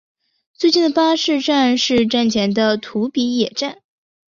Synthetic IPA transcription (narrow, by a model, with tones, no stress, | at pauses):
t͡swe˥˧ɪt͡ɕi˥˩nd̪ə˩pa˥ʂɻ̩˥˧ʈ͡ʂa˥˧nʂɻ̩˥˧ʈ͡ʂa˥˩nt͡ɕʰjɛ˧˥nd̪ə˧t̪ʰu˧˥pi˧˥jɛ˨˩ʈ͡ʂa˥˩n